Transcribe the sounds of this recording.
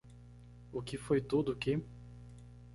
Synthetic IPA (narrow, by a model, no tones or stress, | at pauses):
ʊkɪfojt̪od̪ʊkɪ